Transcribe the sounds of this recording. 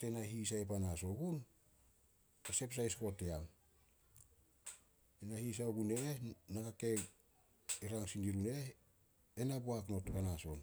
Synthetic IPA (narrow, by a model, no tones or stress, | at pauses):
tenaɦis̬aepanaso̞ɡun | ese̞ps̬ajsko̞tːeam | enahis̬aoɡunenakake̞ | iɾaŋsindiɾune̞ | enabuakno̞tukanaso̞n